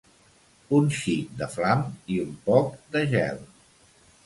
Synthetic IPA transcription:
unʃid̪əflamiumpɔk̚d̪əʒɛ̰l

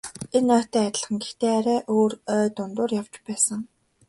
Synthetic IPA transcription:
enœːt̪æːat̪ʲɪ̆ə̆ɮχə̆ŋɡext̪eːaɾæːʔoːrœːt̪ʊnt̪ʊːrjawt͡ɕpæːsə̆ŋ

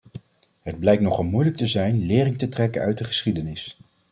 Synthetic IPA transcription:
ɦəd̚blɛjktnɔχɑlˠmujlək̚təzɛjnlɪːrɪŋtətrɛkənœ̰ɥt̚dəχəsχidənɪs

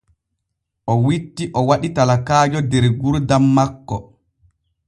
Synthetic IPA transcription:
ʔɔwitːiʔɔwaɗitalakaːd͡ʒɔdɛɾɡuɾdamːakːɔ

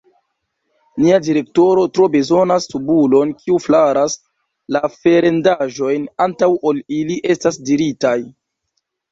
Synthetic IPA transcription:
niadiɾe̞kto̞ɾo̞tɾo̞be̞zo̞nastubulo̞nkʰiuflaɾas | lafe̞ɾe̞ndaʒo̞jnantawʔoliliʔe̞stasdiɾitaj

